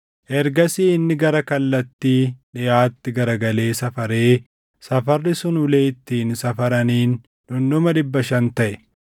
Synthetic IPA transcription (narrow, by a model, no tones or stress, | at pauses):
ʔɛɾɡɐsiːɪnːɪɡɐɾɐkɐlːɐt̪ːiːᶑɪjaːt̪ːɪɡɐɾɐɡɐle̞ːsɐfɐɾe̞ː | sɐfɐrːɪsʊnʊle̞ːt̪ːiːnsɐfɐɾɐniːn | ᶑʊnːʊmɐɗɪbːɐʃɐnt̪ɐʔɛ